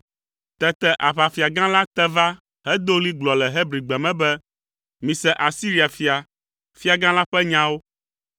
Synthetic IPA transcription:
t̪ɛ˦t̪ɛ˨ʔa˨ɸa˨fi˨a˨ɡã˦la˦t̪ɛ˦va˦ | hɛ˦d̪o˦li˦ɡ͡blɔ˨lɛ˨ɦe˦bɾi˨ɡ͡bɛ˨mɛ̃˦bɛ˦ | mĩ˨sɛ˨ʔa˨si˦ɾi˨a˨fi˨a˨ | fi˦a˨ɡã˦la˦ɸɛ˦ɲã˦wo˦

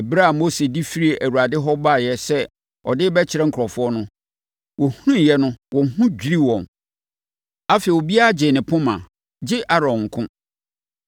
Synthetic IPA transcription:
bɾa˦a˨mo˦se˨di˦fi˦ɾi˦e˨ʔæ˨wu˨ɾa˨dɪ˦ɦɔ˦ba˦˨jɛ˦sɛ˦ | ɔ̰˨dɪ˦bɛ˦t͡ɕʰɪ˨ɾɛ˦ŋ̩˨kʰɔ˨fʊ˦ɔ˦nʊ̃˦ | wɔ˨hu˦nũ˦˨jɛ˦nʊ̃˦wɔ˨ŋ˨ɦũ˦d͡ʑᶣi˦ɾi˦wɔ̃˨n | a˦fe˨wo˨bi˦a˦a˦˨d͡ʑɪ˨nɪ̃˨pʰʊ̃˦mã̰˨ | d͡ʑɪ˦ʔa˦ɾɔ̃˨ŋ̩˨kʰʊ̃˦

